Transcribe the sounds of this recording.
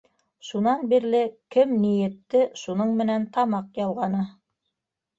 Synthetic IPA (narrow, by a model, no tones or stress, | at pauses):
ʃunɑnbiɾlɘkɘmnijɘ̆t̪ːɘʃunɤɴmɘ̆nænt̪ɑmɑqjɑlˠʁɑnɤ